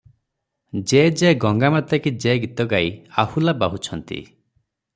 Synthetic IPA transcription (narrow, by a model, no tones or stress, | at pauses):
d͡ʒed͡ʒeɡɔŋɡamat̪akid͡ʒeɡit̪ɔɡajahulabaɦut͡ʃʰɔnt̪ḭ